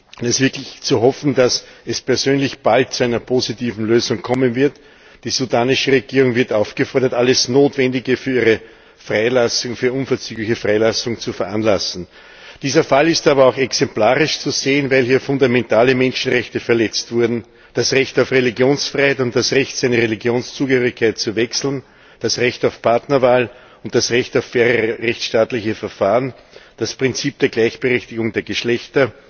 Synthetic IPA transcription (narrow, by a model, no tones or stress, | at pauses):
ʊnɛsv̥ɪɐklɪçt͡suɦɔfn̩dasɛspɛɐzøːnlɪçb̥alt̚t͡suæɪnɐpʰoːzitiːvn̩løːzʊ̃ŋkʰɔmənvɪɐt | d̥iːzudaːnɪʃəʁeɡiːʁʊŋvɪɐtaʊfɡ̥əfɔɐɾɐtʔalːəsnoːtvɛndɪɡəfyːɐiːʁə | fʁaɪlasʊŋfyːɐʔʊnfɛɐt͡syːɡlɪçəfʁaɪlasʊŋt͡sufɛɐʔanlasn̩ | d̥iːzɐfalɪstaːbɐɑʊxɛksɛmplaːʁɪʃt͡suzeːənvæɪlhiːɐfʊndamɛntʰaːləmɛnʃn̩ʁɛçtəfɛɐlɛt͡stv̥ʊɐdn̩ | d̥asʁɛçtaʊfʁeliɡjoːnsfʁaɪhɛɪtʊnt̚d̥asʁɛçtsæɪnɐʁeliɡjoːnst͡suːɡəhøːʁɪçkʰːaɪt̚t͡suvɛksl̩n | d̥asʁɛçtaʊfpʰaɐtnɐvaːl | ʊnt̚d̥asʁɛçtaʊfːɛːʁəʁɛçt͡sʃtaːtlɪçəfɛɐfaːʁən | d̥aspʁ̥ɪnt͡siːp̚d̥eːɐɡlæɪçb̥əʁɛçtɪɡʊŋdeːɐɡəʃlɛçtɐ